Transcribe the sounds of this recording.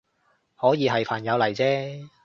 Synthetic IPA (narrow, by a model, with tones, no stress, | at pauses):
hɔː˨˥jiː˨˧ɦɐ˨jpʰaː˨˩njɐ˨˧wlɐ˨˩jt͡sɛː˥